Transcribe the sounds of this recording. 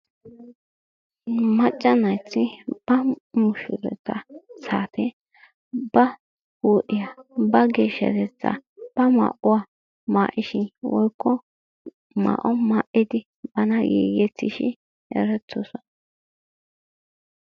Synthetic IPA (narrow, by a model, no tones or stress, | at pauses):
mɐt͡ʃʼːɐnɐjt͡sːɪb̥ɐmʊʃʊɾɛ̰t͡sːɐsaːt̪ʰɛ | bɐ | huːʔɪjabɐɡeːʃɐ̰t̪ɛt͡sːɐ̰b̥ɐma̰ːʔʊwa | maːʔɪʃɪnwʔɔjkːɔ | ma̰ːʔɔmaːʔɪd̪ɪ | bɐnɐɡeːɡɛt͡sːɪʃɪ | ɛ̰ɾɛtːɔsɔn